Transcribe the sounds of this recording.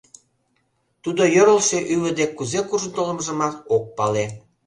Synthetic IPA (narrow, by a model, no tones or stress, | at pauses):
t̪ud̪ojoɾəlʃeʔyβə̆d̪ekːuzekuʒə̆nt̪oləmʒə̆mɑt̪ok̚pɑle